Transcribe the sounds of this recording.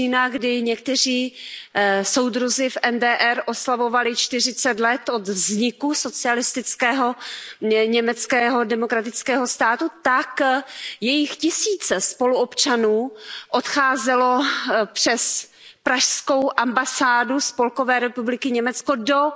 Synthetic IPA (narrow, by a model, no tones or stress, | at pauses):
inaɡdɪɲɛk̚t̪ɛr̝iː | so̞wdɾuzɪfʔɛndɛːʔɛɾʔo̞slavo̞valɪt͡ʃt̪ɪr̝ɪt͡sɛt̪lɛt̪o̞d̪vzɲɪkuso̞t͡sɪalɪst̪ɪt͡skɛːɦo̞ | ɲɛmɛt͡skɛːɦo̞dɛmokɾat̪ɪt͡skɛːɦo̞st̪aːt̪ut̪akjɛjɪxcɪsiːt͡sɛspo̞luopt͡ʃanuːʔo̞t̪xaːzɛlo̞pr̝̥ɛs | pɾaʃsko̞wʔambasaːduspo̞lko̞vɛːɾɛpublɪkɪɲɛmɛt͡sko̞do̞